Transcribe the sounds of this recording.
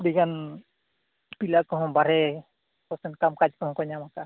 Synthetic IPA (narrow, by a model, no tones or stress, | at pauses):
pɽiɡan | pilakɔɦɔ̃baɾɛ | kɔsɛnkamkad͡ʒkɔɦɔ̃kɔɲamaka